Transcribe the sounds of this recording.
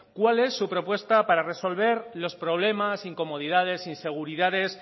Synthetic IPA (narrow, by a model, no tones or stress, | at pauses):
kwale̞sːupɾo̞pwe̞st̪apaɾare̞so̞lβ̞e̞ɾlo̞spɾo̞β̞le̞masiŋko̞mo̞ð̞iðað̞e̞sinse̞ɣ̞uɾiðaðe̞s